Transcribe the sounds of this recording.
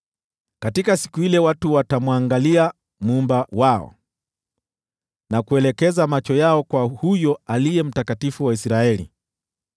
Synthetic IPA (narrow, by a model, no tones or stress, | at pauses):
katikasi̥kuilɛwatuwatamwaŋɡalia | mumbawaɔ̰ | nakuɛlɛkɛzamat͡ʃɔjaɔkwahujɔalijɛm̩takatifuwaisɾaɛlḭ